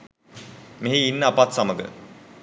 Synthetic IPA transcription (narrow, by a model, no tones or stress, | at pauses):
meɦiinːəːpat̪saməɡə̰